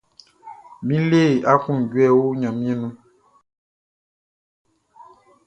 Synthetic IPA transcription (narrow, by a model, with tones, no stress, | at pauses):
mĩ˦le˦˨ʔa˦kũ˦˨n˨ɟwɛ˦˨wo˦ɲã˨mĩ˦ɛ̃˦nũ˦